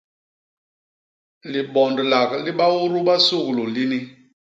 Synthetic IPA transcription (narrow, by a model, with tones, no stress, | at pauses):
li˨bɔ˨ndla˨kli˦ɓa˦wu˦ɾu˦ɓa˦su˦˨klu˨li˦ni˦